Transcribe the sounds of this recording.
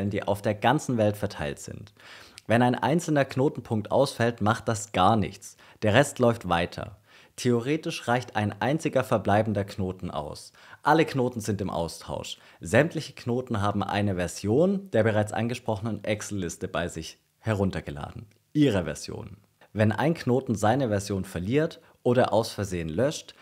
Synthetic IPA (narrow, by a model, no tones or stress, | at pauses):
ləndiːʔa̰ʊfd̥eːɐɡant͡sn̩vɛltfɛɐtʰaɪltz̥ɪ̰ntvɛnaɪnʔa̰ɪnt͡sl̩nɐkʰnoːtn̩pʰʊŋk̚tʔa̰ʊsfɛltmaχt̚d̥asɡ̥aːɐnɪ̰çt͡s | d̥eːɐʁɛstlɔʏftv̥aɪtʰɐ̰ | tʰeoʁeːtɪʃʁ̥aɪçta̰ɪnʔa̰ɪnt͡sɪɡɐfɛɐblaɪbn̩dɐkʰnoːtn̩ʔa̰ʊs | ʔaləkʰnoːtn̩zɪntɪmʔa̰ʊstʰa̰ʊʃ | z̥ɛmtlɪçə̥kʰnoːtn̩ɦaːbm̩ʔa̰ɪnəvɛɐzjoːnd̥eːɐbəʁ̞aɪt͡sʔa̰nɡəʃpʁ̥ɔχənənʔɛksl̩ːɪstəbaɪzɪç | hɛɐʁ̞ʊntɐɡəla̰ːdn̩ | ʔiːʁəvɛ̰ɐz̥jo̰ːn | vɛnʔa̰ɪnknoːtn̩zaɪnəvɛɐzjoːnfɛɐliːɐt | ʔoːɾɐʔaʊsfɛɐzeːənlœʃt